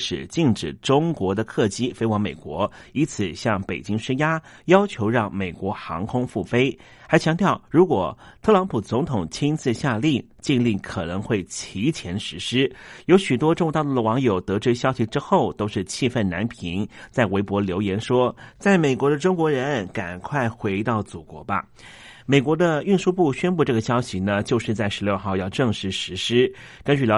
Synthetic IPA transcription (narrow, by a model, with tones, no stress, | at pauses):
ʂɻ̩˨˩t͡ɕi˥˩ŋʈ͡ʂɻ̩˨˩ʈ͡ʂʊ˥ŋkwɔ˧˥d̪ə˧kʰɤ˥˩t͡ɕi˥fe˥ɪwɑ˧˥ŋme˨˩ɪkwɔ˧˥ | i˧˥nt͡sʰɹ̩˨˩ɕjɑ˥˩ŋpe˨˩t͡ɕi˥ŋʂ̩˥ja˥jɑ˥ʊt͡ɕʰjo˧˥ʊɻɑ˥˩ŋme˨˩ɪkwɔ˧˥xɑ̰˧˥ŋkʰʊ˥ŋfu˥˩fe˥ɪ | xa˧˥ɪt͡ɕʰjɑ˧˥ŋt̪jɑ˥˩ʊɻu˧˥kwɔ˨˩t̪ʰɤ˥˩lɑ˧˥ŋpʰu˨˩t͡sʊ˧˥ŋt̪ʰʊ˨˩ŋt͡ɕʰi˥nt͡sɹ̩˥˧ɕja˥˧li˥˩ | t͡ɕi˥˧nli˥˩kʰɤ˨˩nɤ˧˥ŋxwe˥˩ɪt͡ɕʰi˧˥t͡ɕʰjɛ˧˥nʂɻ̩˧˥ʂɻ̩˥jo˧˥ʊɕy˨˩t̪wɔ˥ʈ͡ʂʊ˥˧ŋt̪ɑ˥˩d̪əd̪ə˩wɑ˧˥ŋjo˨˩ʊt̪ɤ˧˥ʈ͡ʂɻ̩˥ɕjɑ˥ʊɕi˨ʈ͡ʂɻ̩˥xo˥˩ʊt̪o˥ʊʂɻ̩˥˧t͡ɕʰi˥˧fə˥˩nna̰˧˥npʰi˧˥ŋt͡sa˥˩ɪwe˧˥ɪpwɔ˧˥ljo˧˥ʊjɛ˧˥nʂwɔ˥t͡sa˥˩ɪme˨˩ɪkwɔ˧˥d̪ə˧ʈ͡ʂʊ˥ŋkwɔ˧˥ɻə˧˥˧nka̰˨˩nkʰwa˥˩ɪxwe˧˥ɪt̪ɑ˥˩ʊt͡su˨˩kwɔ̰˧˥bɐ̰˧ | me˨˩ɪkwɔ˧˥d̪ə˧y˥˧nʂu˥˧pu˥˩ɕɥɛ˥npu˥˧ʈ͡ʂɤ˥˩ɡə˩ɕjɑ˥ʊɕi˨˩nə˨t͡ɕjo˥˧ʊʂɻ̩˥˧t͡sa˥˩ɪʂɻ̩˧˥ljo˥˧ʊxɑ˥˧ʊjɑ˥˧ʊʈ͡ʂɤ˥˧ŋʂɻ̩˧˥˩ʂɻ̩˧˥ʂɻ̩˥kə˥nt͡ɕy˥˩d̪ə˨˩